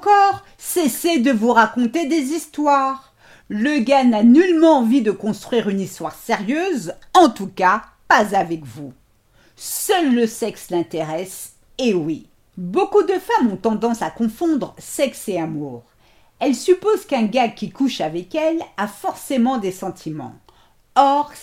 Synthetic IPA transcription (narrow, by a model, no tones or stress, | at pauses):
kɔʁ | sesed̪əvuʁakɔ̃t̪ed̪ezist̪waːʁ | ləɡananylmɑ̃ːvid̪əkɔ̃st̪χɥiʁynist̪waʁseʁjøzɑ̃t̪uka | pazavɛkvu | sœlːəsɛkslɛ̃t̪eʁɛs | ewi | bokud̪əfamɔ̃t̪ɑ̃d̪ɑ̃sakɔ̃fɔ̃d̪ʁəsɛkseamuːʁ | ɛlsypozkɛ̃ɡakʲikuʃavɛkɛlafɔʁsemɑ̃d̪esɑ̃t̪ʰimɑ̰̃ | ɔʁ